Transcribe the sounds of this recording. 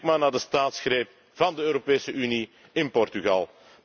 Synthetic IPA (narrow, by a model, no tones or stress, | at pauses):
kmaːrnaːrdəstaːtsxreːp̚ | v̥ɑndəøːɾopeːsəʔyni | ɪnpɔrtyɣɑ̰lˠ